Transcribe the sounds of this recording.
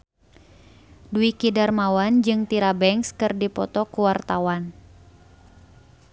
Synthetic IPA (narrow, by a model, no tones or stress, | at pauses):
duikidarmawand͡ʒɨŋt̪iɾabɛŋskɨrdipɔ̰t̪ɔkuwart̪awan